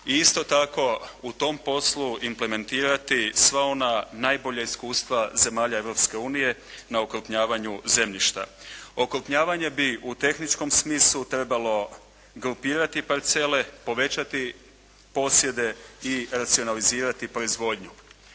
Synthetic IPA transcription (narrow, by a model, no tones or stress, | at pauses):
iist̪o̞t̪ako̞ut̪o̞mpo̞sluimple̞me̞nt̪iːɾat̪isʋao̞nanaːjbo̞ʎaiskuːst̪ʋaze̞maːʎae̞ʋɾo̞pske̞uːnije̞ | naokɾpɲaːʋaɲuze̞mʎiʃt̪a̰o̞kɾupɲaːʋaɲe̞biut̪e̞xnit͡ʃko̞msmiːslˠut̪ɾe̞balo̞ | ɡɾupiːɾat̪ipaɾt̪se̞le̞po̞ʋe̞t͡ɕat̪i | po̞sje̞d̪e̞iɾat̪sio̞naliziːɾat̪ipɾo̞izʋo̞ːd̪ɲu